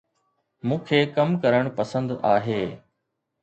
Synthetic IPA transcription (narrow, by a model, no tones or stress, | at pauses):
mũːkʰeːkɐmkɐɾəɽ̃pɐsə̃nd̪aːɦeː